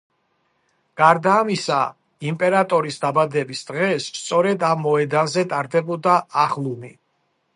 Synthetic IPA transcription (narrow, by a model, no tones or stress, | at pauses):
ɡ̥aɾd̪aːmisa̰ | impʼɛɾat̪ʼɔɾisd̪abad̪ɛbisd̪̥ʁɛsst̪sʼɔɾɛd̪amːɔɛd̪anzɛt̪ʼaɾd̪ɛbɔd̪aaχlˠuni